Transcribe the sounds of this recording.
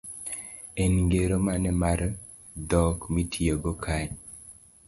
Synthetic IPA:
enŋɡeɾomanɛmaɾ | dɔkmitʰieɡokʰaɲ

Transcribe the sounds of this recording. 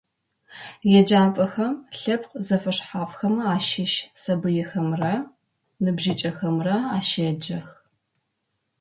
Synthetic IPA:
jɛd͡ʒaːnpʼɐxɐmɬɐpqzɐfɐʂħaːfxɐmaːʃɪʃsɐbɨjɛxɐmrɐ | nɨbʒɪt͡ʃʼɐxɐmrɐaːʃɐd͡ʒɐx

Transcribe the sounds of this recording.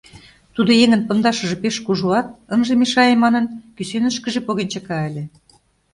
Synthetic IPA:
t̪ud̪ojeŋə̆npə̆nd̪ɑʃə̆ʒĕpeʃkuʒuɑt̪̚ənʒemeʃɑjemɑnə̆nkysenə̆ʃkə̆ʒĕpoɣent͡ɕekɑə̆lʲĕ

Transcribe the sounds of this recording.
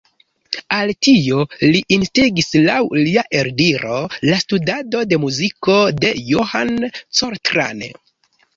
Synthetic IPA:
altio̞liʔinstiɡislawliaʔe̞ɾdiɾo̞lastudado̞de̞muziko̞de̞johant͡soɾtɾa̰n

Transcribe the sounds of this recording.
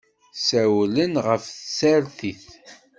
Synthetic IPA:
sæwlənʁəfθsæɾθiθ

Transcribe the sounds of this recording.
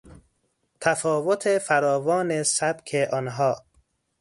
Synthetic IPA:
t̪ʰæfɒːvot̪ʰefæɾɒːvɒːnesæb̥kʰeʔɒnɦɒː

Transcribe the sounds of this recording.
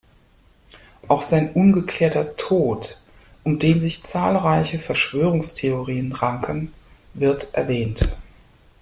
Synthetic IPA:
ʔaʊxz̥aɪnʔʊnɡəkʰl̥ɛːɐtɐtʰoːt | ʔʊmdeːnzɪçt͡saːlʁaɪçəfɛɐʃv̥øːʁ̞ʊŋstʰeoʁiːənʁaŋkʰənvɪɐtʔɛ̰ɐvɛːnt

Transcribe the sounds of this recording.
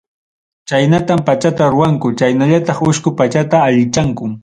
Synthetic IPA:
t͡ʃajnat̪ampat͡ʃat̪aɾʊwaŋkʊt͡ʃajnaʎat̪ɑχʊʃkʊpat͡ʃat̪aːʎɪt͡ʃaŋkʊ

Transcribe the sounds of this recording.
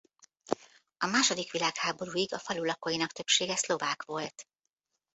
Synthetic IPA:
ɒmaːʃo̞d̪ikʋilaːkhaːbo̞ɾuːiɡɒfɒlulɒkojinɒkt̪ø̞pʃeːɡɛslo̞vaːkʋo̞lt̪

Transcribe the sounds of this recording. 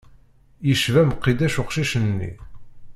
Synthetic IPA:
jiʃvæməqːid̪æʃʊqʃiʃənːḭ

